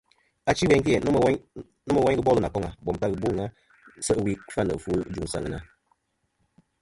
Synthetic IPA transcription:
a˨t͡ʃi˦wɛ˦ŋki˦ɛ˨n˦˨˦ | nə˦mə˨wa˦ɡɨ˦bɔ˦lə˦˨na˨kɔ˦ŋa˨bɔ˨m˨ta˦ɣɨ˨bu˦˨ŋa˦ | sə˦wi˦fa˦˨nə̰˨fu˦d͡ʒu˨ŋ˨sa̰˦˨ŋ˨na̰˨

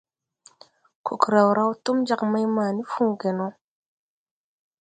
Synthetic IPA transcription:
ku˨kɾa˨wɾa˦wtu˦md͡ʒa˨kma˦jma˨ni˦fũ˦ɡe˨no˦

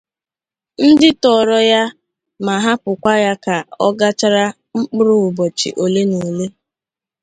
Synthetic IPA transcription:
n̩˦dɪ˦tɔ˨ɾɔ˦ja˦ | ma˨ɦa˦pʊ˨kʷa˦ja˦ka˨ɔ˦ɡa˦t͡ʃa˦ɾa˦ | ŋ͡m̩˦k͡pʊ˦ɾʊ˦ʊ˨bɔ˨t͡ʃḭ˨ʔo˨le˦ni˨le˦

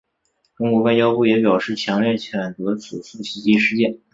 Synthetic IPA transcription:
ʈ͡ʂə˥ŋkwɔ˧˥wa˥˧ɪt͡ɕjɑ˥ʊpu˥˩jɛ˧˥p̬jɑ˨˩ʊʂɻ̩˥˩t͡ɕʰjɑ˧˥ŋljɛ˥˩t͡ɕʰɥɛ˨˩nt͡sɤ˧˥t͡sʰu˨˩su˥˩ɕi˧˥t͡ɕi˧˥ʂɻ̩˥˧t͡ɕjɛ˥˩n

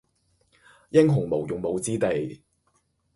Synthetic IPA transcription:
jɪ˥ŋɦʊ˨˩ŋmo˨˩wjʊ˨ŋmo˨˧wt͡siː˥t̪e˨j

